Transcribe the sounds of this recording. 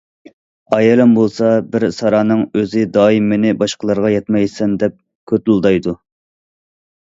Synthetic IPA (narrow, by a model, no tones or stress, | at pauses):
ɑjɛlɛmbolˠsɑbɪɾsɑɾɑːnɨŋøzɪd̪ɑːimːɪnɪbɑʃqəlˠɑɾʁɑjɛt̪mɛjsɛnd̪ɛp̚ | kʲʰøt̪lˠd̪ɑjd̪u